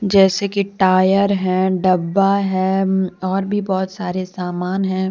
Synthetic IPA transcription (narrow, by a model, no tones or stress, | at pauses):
d͡ʒɛːsekiʈaːjəɾɦɛ̃ːɖɐbːaɦɛ̃ːɔːɾbʱibɔːt̪saːɾesaːmaːnɦɛ̃ː